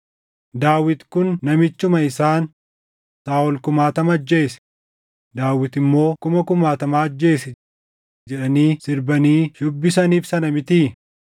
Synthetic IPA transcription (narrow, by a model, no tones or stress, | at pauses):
d̪aːwɪt̪kʊnːɐmɪt͡ʃːʊmɐɪsaːn | saːɔlkʊmaːt̪ɐmɐd͡ʒːe̞ːsɛ̥ | d̪aːwɪt̪ɪmːo̞ːkʊmɐkʊmaːt̪ɐmaːɐd͡ʒːe̞ːsɛ | d͡ʒɛᶑɐniːsɪɾbɐniːʃʊbːɪsɐniːfsɐnɐmɪt̪iː